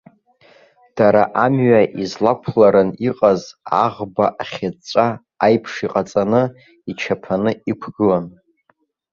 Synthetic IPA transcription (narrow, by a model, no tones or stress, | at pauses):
d̥aɾaʔamɥaʔizlakʷʰlaɾɨniqʼazaʁbaʔaχʲat͡ʃʷʼaː | jpʰʂiqʼat͡sʼanɨ | it͡ʃʰapʰanɨikʷʰɡɨlan